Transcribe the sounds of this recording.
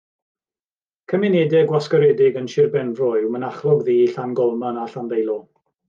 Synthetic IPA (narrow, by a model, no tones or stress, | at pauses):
kʰəmɪnɛdɛɡwaskɔɾɛdɪɡənʃɪrbɛnvrɔjwmənaχrɔɡðiːiɬanɡɔlˠmanaɬanðejlˠɔ